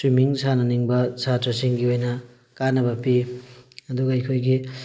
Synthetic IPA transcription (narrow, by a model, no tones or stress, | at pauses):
swimiŋsʰanɐniŋbɐsatosiŋɡiojnɐ | kanɐbɐpi | ɐd̪uɡɐɐjkʰojɡi